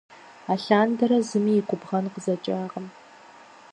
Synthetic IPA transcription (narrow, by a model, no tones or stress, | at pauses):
aːɬaːndɐɾɐzɨmiːɪkʷʼʊbʁɐnqəzɐt͡ʃʼaːʁəm